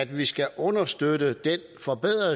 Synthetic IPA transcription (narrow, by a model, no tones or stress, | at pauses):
æd̥ʋisɡ̥æʔɔ̽nɐsd̥ødəd̥en | fɒ̽b̥eð̰ˠʁɐ